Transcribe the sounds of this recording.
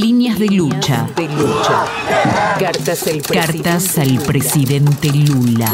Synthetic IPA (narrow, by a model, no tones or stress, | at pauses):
linjazðelut͡ʃa̰ut͡ʃa | k̪kaɾt̪asalpɾesiðent̪elula̰